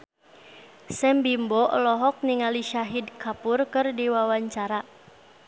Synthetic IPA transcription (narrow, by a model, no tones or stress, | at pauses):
sɛmbimbɔʔlɔɦɔk̚niŋaliʃaɦidkapʊrkɨrdiwawaɲt͡ʃaɾa